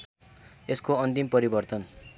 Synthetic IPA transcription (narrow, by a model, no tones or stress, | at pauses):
eskoʌnt̪impʌɾibʌrt̪ʌn